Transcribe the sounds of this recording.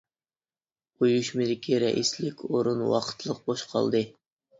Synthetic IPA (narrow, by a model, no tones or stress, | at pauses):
ojuʃmɪd̪ɪkʲʰiɾɛ̰ʔislɪkʲoɾunwɑ̰qʰə̥t̪ʰlˠəq̚boʃqʰɑ̰lˠd̪ɨ